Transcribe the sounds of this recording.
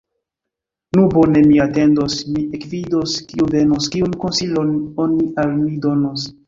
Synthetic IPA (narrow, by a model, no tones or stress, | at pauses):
nubo̞ne̞miate̞ndosmiekvidoskiuve̞noskionkonsilononialmidonos